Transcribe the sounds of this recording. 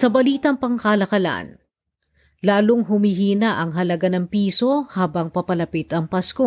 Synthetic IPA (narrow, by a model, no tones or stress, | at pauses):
sɐbɐliːt̪ɐŋpɐŋkɐlɐkɐla̰n | laːloŋɦʊmiɦiːnɐʔɐŋɦɐlɐɡanɐŋpiːso̞haːbɐŋpɐpɐlɐpɪt̪ɐŋpasko